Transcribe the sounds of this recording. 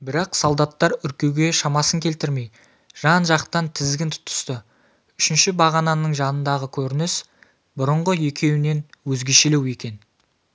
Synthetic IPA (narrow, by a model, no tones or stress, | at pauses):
bɪɾɑqsolˠd̪ɑt̪ːɑɾʏɾkʲe̞wɡʲe̞ʃɑmɑsəŋkʲʰe̞lt̪ɪɾme̞j | ʒ̥ɑnʒɑqt̪ɑnt̪ʰɪzɡʲɪnt̪ʰʊ̥t̪ʊ̥st̪ə | ʏʃɪnʃɪbɑʁɑnɑnəɴʒɑnənd̪ɑʁəkʲʰɵɾɪnɪs | bʊɾəɴʁəje̞kʲe̞wɪne̞nwɵzɡʲe̞ʃele̞we̞kʲe̞n